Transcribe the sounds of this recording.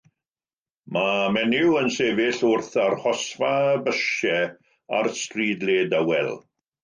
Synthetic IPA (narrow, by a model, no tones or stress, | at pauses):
mamɛnɪwənseːvɪɬʊrθarhɔsvabəʃɛ | a̰rstriːdleːdawɛ̰lˠ